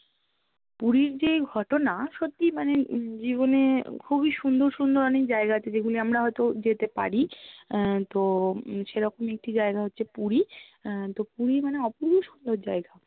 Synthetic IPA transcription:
puɾiɾd͡ʑeɡʱɔʈonaʃot̪ːimaned͡ʑiβonekʰubiʃund̪oɾʃund̪oɾɔnekd͡ʑaeɡat̪ed͡ʑeɡuliamɾaɦɔet̪od͡ʑet̪epa̰ɾi | t̪oʃeɾɔkomek̚ʈid͡ʑaeɡaɦotːɕʰepuɾit̪opuɾiɾmaneɔpuɾbuʃund̪oɾd͡ʑaeɡa

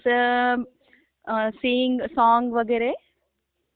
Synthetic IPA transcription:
siːŋɡsaːŋɡʋɐɡeɾe

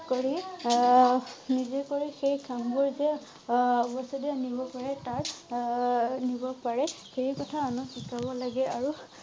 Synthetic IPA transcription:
koɹi | nizekoɹixejkʰambuɹzɛ | bɔsɔdianibɔpaɹɛtaɹ | nibɔpaɹɛ | xeɹikɔtʰaːnʊsikabɔlaɡɛʔaɹu

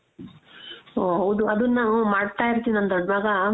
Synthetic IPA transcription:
oɦɐwd̪uɐd̪unːaːnumaːɽt̪aːjiɾt̪iːniɐnt̪ɐɖ̪ʋaːɡɐ

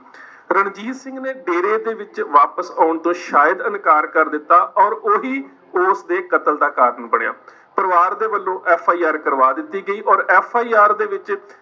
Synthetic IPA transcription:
ɾəɳd͡ʒiːzsɪ̃ŋɡneːɖeːɾeːd̪eːʋɪt͡ʃʋaːpəsaːʊɳt̪õːʃaːjəd̪ənkaːɾkəɾd̪ɪt̪ːaːʔɔːɾoːɦiː | oːsd̪eːkət̪əld̪aːkaːɾənbəɳja̰ː | pəɾʋaːɾd̪eːʋəlːõːʔɛːpʰaːiːaːɾkəɾʋaːd̪ɪt̪ːiːɡəiːʔɔːɾɛːpʰaːiːaːɾd̪eːʋɪt͡ʃ

